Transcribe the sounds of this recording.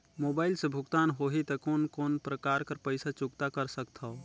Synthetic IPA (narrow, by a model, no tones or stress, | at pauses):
moːbaːɪlsebʱʊɡt̪aːnɦoːɦit̪ɐkoːnkoːnpɾəkaːɾkəɾpəɪsat͡ʃʊkt̪akəɾsək̚t̪ʰao